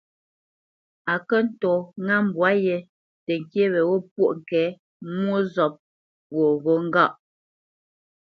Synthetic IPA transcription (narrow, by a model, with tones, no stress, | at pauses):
a˨kə˦n̩˨tɔ˨ŋa˦˨m̩˨bwa˨˦jɛ˨ | tɛ˨ŋ̩˨kje˦βɛ˨wo˦p̚wo˦˨ʔŋ̩˨kɛː˨˦ | mwo˦zɔ˨p̚ | wo˨ɣo˨˦ŋ̩˦ɡa˦˨ʔ